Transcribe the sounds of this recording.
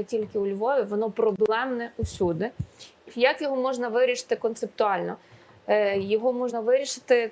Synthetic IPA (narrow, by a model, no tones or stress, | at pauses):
tʲilʲkɪʊlʲʋɔʋʲiʋɔnɔpɾɔblˠɛmnɛusʲud̪ɪ | jakjɔɦɔmɔʒnɐʋɪɾʲiʃɪ̥t̪ɪkɔnt̪sep̚t̪ʊɑlʲnɔ | jɔɦɔmɔʒnɐʋɪɾʲiʃɪ̥t̪ɪ